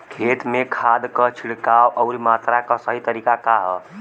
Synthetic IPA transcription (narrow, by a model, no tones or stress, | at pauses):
kʰet̪mekʰad̪kət͡ʃʰiɽkawʔɔʊɾimat̪ɾakəsəɦit̪əɾikakaɦɔ